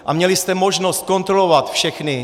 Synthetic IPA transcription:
ʔamɲɛlɪst̪ɛmoʒnost̪̚ko̞nt̪ɾolovat̪fʃɛxnɪ

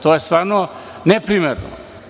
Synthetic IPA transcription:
t̪ojest̪ʋaːɾno | nepɾimeɾno̰

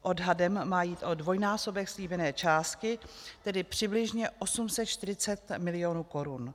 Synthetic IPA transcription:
ʔo̞dɦadɛmːaːjiːt̪ʔo̞dvo̞jnaːso̞bɛxsliːbɛnɛːt͡ʃaːst̪kɪt̪ɛdɪpr̥ɪblɪʒɲɛʔo̞sumsɛt̪t͡ʃt̪ɪɾɪt͡sɛt̪mɪlɪjo̞nuːko̞ɾun

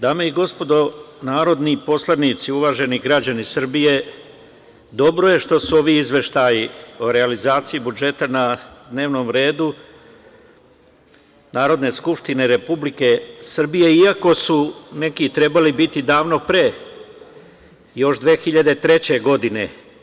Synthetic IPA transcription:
d̪aːmeiɡo̞spo̞d̪o̞naːɾo̞d̪nipo̞slˠanit̪siuʋaːʒe̞niɡɾad͡ʑanisr̩bije̞ | d̪o̞bɾo̞je̞ʃt̪o̞suo̞ʋiizʋe̞ʃt̪ajioɾealizaːt̪sijibud͡ʒe̞t̪anad̪ne̞ːʋno̞mɾe̞ːd̪u | naːɾo̞d̪ne̞skupʃt̪ineɾe̞publike̞sr̩bije̞iako̞sune̞kit̪ɾe̞balibit̪id̪aːʋno̞pɾe̞ː | jo̞ʃd̪ʋeːxiʎad̪e̞t̪ɾe̞t͡ɕe̞ɡo̞d̪ine̞̰

